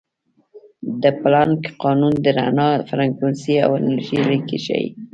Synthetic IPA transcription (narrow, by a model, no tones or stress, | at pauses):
d̪əplɑnkqɑnund̪əɾanɑfɾaŋkunsia̰wɪnaɾʒiɾikeʃa̰ji